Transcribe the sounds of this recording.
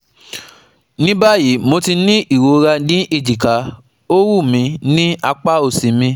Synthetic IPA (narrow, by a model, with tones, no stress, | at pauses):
nĩ˦ba˦˨ji˨˦mo˧ti˧nĩ˦i˦˨wo˨˦ɾa˧nĩ˨˦ʔe˦˨d͡ʒi˨ka˨˦ | o˦wu˦˨mĩ˧nĩ˦a˧k͡pa˦o˨sĩ˨mĩ˧